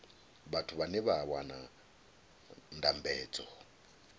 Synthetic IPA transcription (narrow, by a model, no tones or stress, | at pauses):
βatʰuβanɛβawana̰ | ndambɛːd͡zʼɔ